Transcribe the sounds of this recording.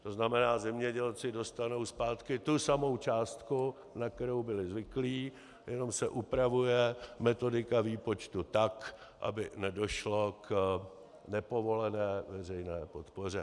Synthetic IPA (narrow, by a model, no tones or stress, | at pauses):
t̪o̞znamɛnaːzɛmɲɛɟɛlt͡sɪdo̞st̪ano̞wspaːt̪kɪt̪usamo̞wt͡ʃaːst̪ku | nak̚t̪ɛɾo̞wbɪlɪzvɪkliː | jɛno̞msɛʔupɾavujɛmɛt̪o̞dɪkaviːpo̞t͡ʃt̪ut̪ak | ʔa̰bɪnɛdo̞ʃlo̞k | nɛpo̞vo̞lɛnɛːvɛr̝ɛjnɛːpo̞t̪po̞r̝ɛ